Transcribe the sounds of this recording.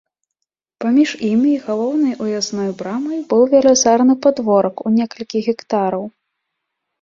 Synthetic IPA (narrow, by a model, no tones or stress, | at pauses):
pamʲiʐimʲiɣalˠɔwnɐjʔujasnɔjbɾamɐjbɨwvʲɛlʲɛzaɾnɨpad̪vɔɾɐkunʲɛkɐlʲkʲiɣʲɛkt̪aɾɐw